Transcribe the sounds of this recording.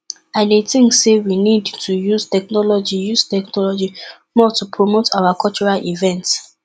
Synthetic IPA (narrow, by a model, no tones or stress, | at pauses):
aɪnetĩŋksewinidtʰujuztɛk̚nɔlɔd͡ʒijuz̥tɛknɔlɔd͡ʒi | mɔtupʰɹomotʰawakɔlt͡ʃɔɹalivɛ̃nts